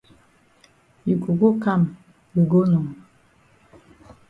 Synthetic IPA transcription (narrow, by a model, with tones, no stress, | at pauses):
i˨ku˨ɡo˦ka˦˨m | i˨ɡo˦nɔ˨ŋ˨